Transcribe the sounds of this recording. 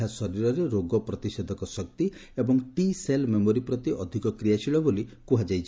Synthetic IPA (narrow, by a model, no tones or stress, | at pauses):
asɔɾiɾɔɾeɾoɡɔpɾɔt̪ised̪ʱɔkɔsɔk̚t̪iebɔŋʈiselmemoɾipɾɔt̪iʔɔd̪ʱikɔkɾijasiɭɔbolikuɦad͡ʒajt͡ʃʰ